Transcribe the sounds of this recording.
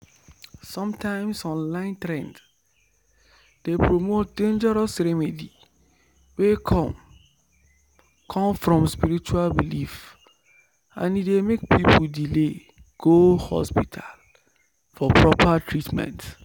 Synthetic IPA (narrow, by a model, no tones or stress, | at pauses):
sɔ̃mtʰãɪ̃msɔ̃nlãɪ̃ntɹɛ̃nd | d̥epɹomot̚dẽnd͡ʒɛɹɔsɾemidi | wekʰɔ | kʰɔ̃mfɹɔ̃mspiɾit͡ʃualbilif | ã̰nidemek̚pʰipʰuldile | ɡ̥ohɔ̰spitʰal | fɔpʰɹɔpʰatʰɹitmɛ̰̃nt